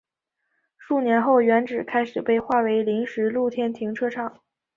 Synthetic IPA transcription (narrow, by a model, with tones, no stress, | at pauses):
ʂu˥˩njɛ˧˥nxo˥˩ʊɥɛ˧˥nʈ͡ʂɻ̩˨˩kʰa˥ɪʂɻ̩˨˩pe˥˧ɪxwa˥˩we˧˥ɪli˧˥ŋʂɻ̩˧˥lu˥˩t̪ʰjɛ˥˩nt̪ʰi˧˥ŋʈ͡ʂʰɤ˥ʈ͡ʂʰɑ˨˩˦ŋ